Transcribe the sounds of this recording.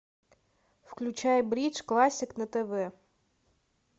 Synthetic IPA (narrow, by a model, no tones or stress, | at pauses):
wklʲʊt͡ʃajɛbɾʲit͡ʃklˠɑsʲɪknɐt̪eʋɛ